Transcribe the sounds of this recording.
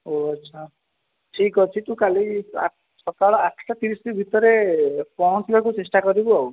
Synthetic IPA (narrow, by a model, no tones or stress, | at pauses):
oɔtːt͡ʃʰa | ʈʰikɔt͡ʃʰit̪ũkalia̰ | sɔkaɭɔaʈʰʈat̪iɾisibʱit̪ɔɾepɔɦɔ̃nsilakut͡ʃesʈakɔɾibuaw